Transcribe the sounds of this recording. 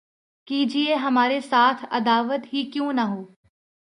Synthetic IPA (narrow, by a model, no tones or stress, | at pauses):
kiːd͡ʒieɦɐmaːɾesaːt̪ʰɐ̰d̪aːʋət̪ɦiːkjũːnɐɦoː